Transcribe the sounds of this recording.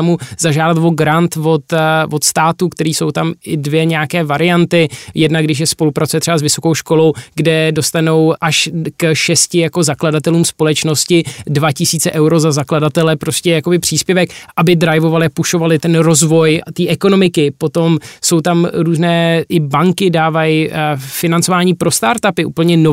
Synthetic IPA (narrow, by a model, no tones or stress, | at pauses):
amuzaʒaːdat̪vo̞ɡɾant̪vo̞t̪vo̞t̪st̪aːt̪ukt̪ɛɾiːso̞wt̪amʔɪdvjɛɲɛjakɛːvaɾɪjant̪ɪjɛdnaɡdɪʃ̬jɛspo̞lupɾatt͡sujɛt̪r̥ɛbazvɪso̞ko̞wʃko̞lo̞wɡdɛdo̞st̪ano̞wʔaʃkʃɛscɪjako̞zakladat̪ɛluːmspo̞lɛt͡ʃno̞scɪdvacɪsiːt͡sɛʔɛwɾo̞zazakladat̪ɛlɛpɾo̞scɛjako̞bɪpr̝̥iːspjɛvɛkʔabɪdɾajvo̞valɪapuʃo̞valɪt̪ɛnɾo̞zvo̞jt̪iːʔɛko̞no̞mɪkɪpo̞t̪o̞mso̞wt̪amɾuːznɛːʔɪbaŋkɪdaːvajfɪnant͡sovaːɲiːpɾo̞st̪aːɾt̪apɪʔṵːpl̩ɲɛno